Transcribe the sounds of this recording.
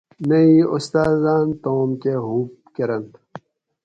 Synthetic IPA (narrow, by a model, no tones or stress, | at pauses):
meiost̪aːzaːnt̪oːmkeɦuːp̚ | keɾɐnt̪